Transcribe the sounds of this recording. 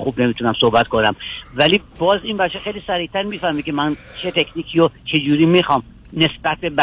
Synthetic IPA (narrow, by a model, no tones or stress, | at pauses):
xubne̞miːt̪ʰunæmsohbæt̪kʰo̞næmvæliːbɒːzinbæʃʰexejliːsæɾiːht̪ʰæɾmiːfæhmikʲemæn | t͡ʃʰe̞t̪ʰekʰʲniːkʰiot͡ʃʰe̞d͡ʒuːɾiːmixɒːm | ne̞sbæt̪̚be̞bæ